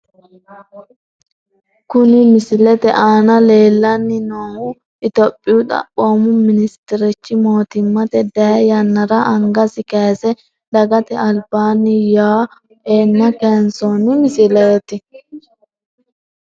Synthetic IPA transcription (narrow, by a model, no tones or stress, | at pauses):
kʊnɪmɪsɪlɛt̪ɛʔaːnɐleːlːɐnːɪnoːhʊ | ɪt̪ɔpʼːɪjʊt̪ɐ̰pʼːoːmʊmɪnɪst̪ɪɾɛt͡ʃːɪmo̞ːt̪ɪmːɐt̪ɛd̪ɐjɐjɐnːɐɾɐʔɐŋɡɐsɪkɐjsɛ | d̪ɐɡɐt̪ɛɐlbaːnːɪjaː | eːnːɐkɛnsɔnɪmɪsɪlɐjɛt̪ɪ